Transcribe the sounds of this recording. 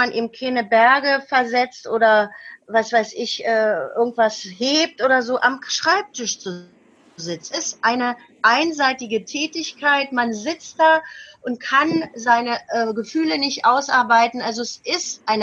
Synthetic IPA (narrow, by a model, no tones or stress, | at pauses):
anʔḭːbm̩kʰeːnəbɛɐɡəfɛɐzɛt͡stʔoːɾɐvasv̥aɪsɪçʔɛːʔɪɐɡŋ̩tv̥asheːp̚tʔoːdɐzoːʔamʃʁ̥aɪp̚tʰɪʃt͡su | zɪt͡sɪstʔaɪnə | ʔaɪnzaɪtɪɡətʰɛːtɪçkʰaɪtmanzɪt͡st̚d̥aːʔʊnt̚kʰanzaɪnəʔɛɡəfyːlənɪçtʔaʊsʔaɐbaɪtn̩ʔalzoɛsʔɪstʔaɪn